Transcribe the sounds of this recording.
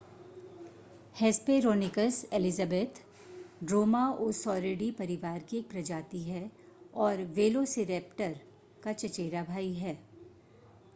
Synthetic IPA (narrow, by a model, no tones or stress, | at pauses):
hɛːspeːɾoːnɪkəseːlɪzabeːt̪ | ɖɾoːmaoːsɔːɾeːɖipɐɾɪʋaːɾkiːk̚pɾɐd͡ʒaːt̪iɦɛ | ɔːɾʋeːlosɪɾeːpʈəɾ | kat͡ʃɐt͡ʃeːɾabʱaːiɦɛː